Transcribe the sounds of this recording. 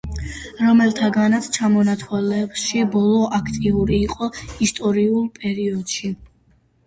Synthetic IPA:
ɾɔmɛlˠt̪ʰaɡanat̪sʰt͡ʃʰamɔnat̪ʰwɛlɛbʃibɔlˠɔʔakʰt̪ʼiuɾiːqʼɔist̪ʼɔɾiulˠpʼɛɾiɔd̪̥ʃi

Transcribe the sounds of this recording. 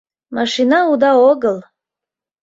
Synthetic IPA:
maʃinaud̪aoɡəlˠ

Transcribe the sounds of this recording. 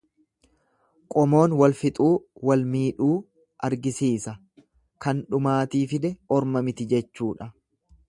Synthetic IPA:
kʼɔmo̞ːnwɐlfɪt̪ʼuːwɐlmiːᶑuː | ʔɐɾɡɪsiːsɐ | kɐnᶑʊmaːt̪iːfɪd̪ɛɔɾmɐmɪt̪ɪd͡ʒɛt͡ʃːuːᶑɐ

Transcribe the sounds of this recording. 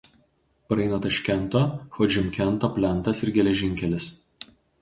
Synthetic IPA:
pɾɐɪnɐt̪ɐʃʲkʲɛnˑt̪oːxɔd͡ʒʲɪmkʲɛnˑt̪oːpʲlʲɛnˑt̪ɐsɪɾɡʲɛlʲɛʒʲɪŋʲkʲɛlʲɪs

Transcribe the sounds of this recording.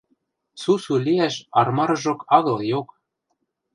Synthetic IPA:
susuliæʃɑrmɑɾɤʒokɑɣɤ̆ljok

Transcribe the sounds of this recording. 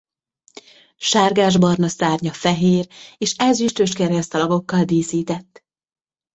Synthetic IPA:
ʃaːrɡaːʒbɒrnɒsaːrɲɒfɛɦeːreːʃɛzyʃt̪øʃkɛɾɛst̪ɒlɒɡo̞kːɒld̪eːsiːt̪ɛt̪ː

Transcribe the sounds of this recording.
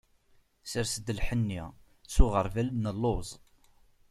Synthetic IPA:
səɾsəd̪əlħənːi | sʊʁəɾˤvælnəlːʊzˤ

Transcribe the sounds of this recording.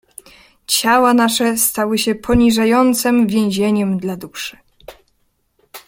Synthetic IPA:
t͡ɕawanaʂɛst̪awɘɕɛpʰɔɲiʐajɔnt̪sɛmvʲjẽw̃ʑeɲɛmd̪lad̪uʂɘ̥

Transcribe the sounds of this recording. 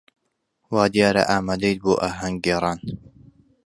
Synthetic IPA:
waːd̪ijaːɾɐ̰ʔaːmaːd̪ejt̪̚boːʔaːɦɐŋɡɡeːɾˤɑːn

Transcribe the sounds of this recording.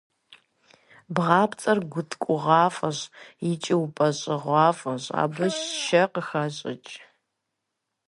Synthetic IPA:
bʁɑːpʰt͡sʼɐrɡʷʊtʰkʷʼʊʁɑːfɐɕjɪt͡ʃʼipʼɐɕʼɪʁʷɑːfɐɕa̰ːbɨɕʃɐqəxɐɕʼɪ̰t͡ʃʼ

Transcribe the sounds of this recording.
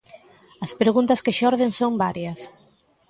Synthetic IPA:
ɐspɾeɣunt̪ɐskeʃɔɾðeŋsombaɾjɐs

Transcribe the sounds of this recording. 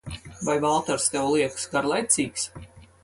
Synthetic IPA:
vajvalˠt̪aɾst̪ɛwlˠiɛksɡaɾlˠajt̪siːks

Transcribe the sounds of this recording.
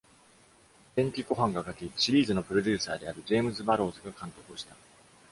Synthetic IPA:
dẽŋkʲiko̞ɦãŋɡakakʲiɕiɾʲiːzɨno̞pɯ̟ɾo̞d̪ʲɨːsaːd̪e̞aɾɯ̟d͡ʑe̞ːmɯ̟zɨbaɾo̞ːzɨɡakãnt̪o̞kɯ̟ɕi̥t̪a

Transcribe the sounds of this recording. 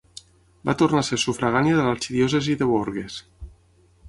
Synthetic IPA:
ba̰t̪ornasesufɾaɣ̞anjaðəlaɾt͡ʃiðijɔs̬eziðeβoɾɣes

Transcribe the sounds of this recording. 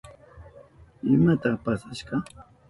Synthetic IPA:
ɪmat̪apasaʃɢɑ

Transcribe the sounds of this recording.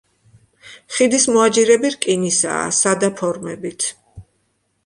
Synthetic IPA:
χid̪ismɔad͡ʒiɾɛbiɾkʼinisa̰ːsad̪apʰɔɾmɛbit̪ʰ

